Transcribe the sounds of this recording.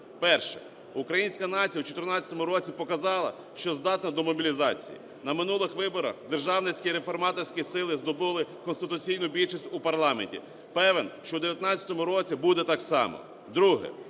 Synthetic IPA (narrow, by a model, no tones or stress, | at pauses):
pɛrʃɛ | ukɾɐjinʲsʲkɐnɑt͡sʲijɐwt͡ʃɔt̪ɪrnɑt͡sʲɐ̥t̪ɔmʊɾɔt͡sʲipɔkɐzɑlˠɐ | ʃt͡ʃɔzd̪ɑt̪nɐd̪ɔmɔbʲilʲizɑt͡sʲḭjḭ | nɐmɪnulˠɪxʋɪbɔɾɐ̰xd̪erʒɑwnɪt͡sʲkʲiɾefɔrmɑt̪ɔrsʲkʲisɪlˠɪzd̪ɔbɪlˠɪkɔnst̪ɪt̪ʊt͡sʲijnʊbʲilʲt͡ʃisʲtʲupɐrlˠɑmenʲtʲḭ | pɛʋenʃt͡ʃɔwd̪eʋjɐt̪nɑt͡sʲɐt̪ɔmʊɾɔt͡sʲibud̪ɛt̪ɑksɑ̰mɔ̰ | d̪ɾuɦɛ̰